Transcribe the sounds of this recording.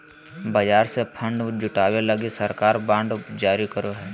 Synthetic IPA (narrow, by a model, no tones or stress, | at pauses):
bɐd͡ʒaːɾsepʰə̃ɳɖd͡ʒʊʈaːwelɐɡisɐɾkaːɾbãːɳɖd͡ʒaːɾikəɾoɦɛː